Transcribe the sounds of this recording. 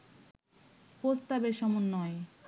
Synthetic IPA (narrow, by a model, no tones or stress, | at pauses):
post̪abeɾʃɔmunːɔe